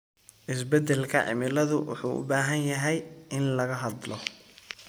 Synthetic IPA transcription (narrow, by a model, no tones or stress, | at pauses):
ʔɪs̬bɛd̪ɛlkʰɐʕɪ̰mɪlɐðʊwʊ̰ħṵːʔʊ̰baːɦɐnjɐɦɛjɪnlɐɣɐɦɑd̪lɔ